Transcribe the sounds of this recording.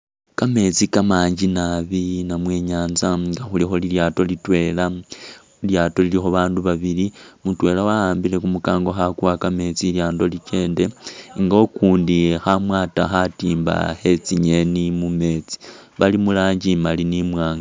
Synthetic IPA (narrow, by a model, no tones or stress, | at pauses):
kame̞t͡sikamaːɲɟinaβinamwe̞ːɲaːnzaɡaxulixo̞liljaːto̞litwe̞ːla | iljaːto̞lilixoβaːnduβaβilimutwe̞lawahaːmbile̞kumukaːŋɡo̞xakuwakame̞t͡siljaːndo̞lit͡ʃe̞ːnde̞ŋɡokuːndixamwaːtaxatiːmba̰he̞t͡siɲe̞nimume̞t͡si̥βalimulaːɲɟimalinimwaːŋɡa